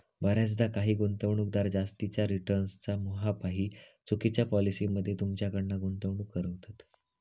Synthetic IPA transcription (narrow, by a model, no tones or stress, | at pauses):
bəɾjat͡s̬d̪akaɦiːɡont̪əʋɳuːk̚d̪aɾd͡zast̪it͡ɕjaɾiʈəɾnst͡samoɦapaɦiːt͡sukit͡ɕjapɔlisiːməd̪ʱːjet̪umt͡ɕjakəɽnːaɡont̪əʋɳuːkːəɾəʋt̪at̪